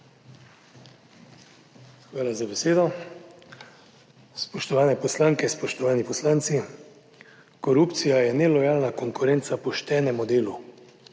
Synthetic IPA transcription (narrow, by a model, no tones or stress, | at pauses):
xʋaːlazabɛseːd̪ɔ | spɔʃt̪ɔʋaːnɛpɔslaŋkɛspɔʃt̪ɔʋaːnipɔslaːnt̪si | kɔɾupt̪sijajɛnɛlɔjaːlnakɔŋkʊɾɛnt̪sapɔʃt̪ɛːnɛmud̪eːlu